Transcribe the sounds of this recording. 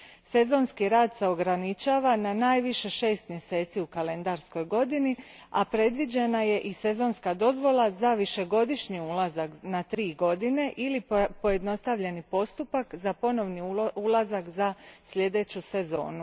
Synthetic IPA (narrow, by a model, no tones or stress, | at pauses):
se̞zo̞ːnskiɾaːd̪se̞o̞ɡɾanit͡ʃaːʋananaːjʋiʃe̞ʃe̞ːst̪mje̞se̞ːt̪siukale̞nd̪aɾsko̞jɡo̞d̪ini | apɾe̞d̪ʋid͡ʑe̞naje̞ʔise̞zo̞ːnskad̪o̞zʋo̞lˠazaʋiʃe̞ɡo̞d̪iʃɲiulazaknat̪ɾiːɡo̞d̪ine̞ʔilipo̞je̞d̪no̞st̪aʋʎe̞nipo̞st̪upakzapo̞no̞ʋniulˠazakzasʎʲe̞d̪e̞t͡ɕuse̞zo̞̰ːnu